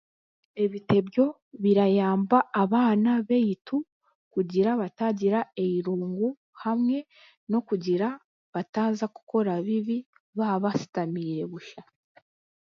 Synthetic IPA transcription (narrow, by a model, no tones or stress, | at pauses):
e̞βite̞bjo̞ | βiɾajaːmbaːβaːnaβe̞jitu | kuɟiɾaβataɟiɾae̞jiɾuːŋɡu | hamŋe̞ | no̞kuɟiɾa | βataːnzaku̥ko̞ɾaβiβi | βaβasi̥tamiɾe̞βuʃa